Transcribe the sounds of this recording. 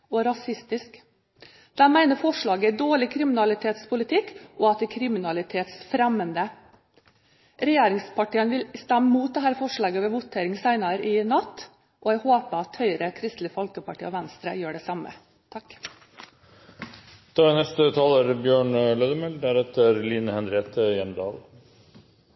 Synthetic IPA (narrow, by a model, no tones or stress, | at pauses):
ɔɾɑsɪst̪ɪsk | d̪̥ɛmæɪnəɾfɔʂɭɑːɡəæd̪oːɭɪkʰɾɪmɪnɑlɪt̪ʰeːt̪spʰʊlɪt̪ʰɪkːʔɔɑt̪̚d̪ækʰɾɪmɪnɑlɪt̪ʰeːt̪sfɾɛmːənd̪ə | ɾɛjeːɾɪŋspʰɑʈiːənʋɪlst̪æmːəmuːt̪̚d̪ɛɦæːɾfɔʂɭɑːɡəʋɛːʋʊt̪ʰeːɾɪŋsæɪnɑɾɪnɑt̪ː | ʔɔæhoːpəɑt̪hœʏɾəkʰɾɪst̪lɪfɔlkəpɑʈʰiːɔʋænst̪ɾəjøːɖɛsɑmə̰ | t̪ʰɑkː | t̪ʰɑːnɛst̪ət̪ʰɑːləɾbjøːɳløːd̪əmɛlɖ̪æɾɛt̪əɾliːnəhɛnɾeːt̪ʰəjɛmd̪ɑ̰ːl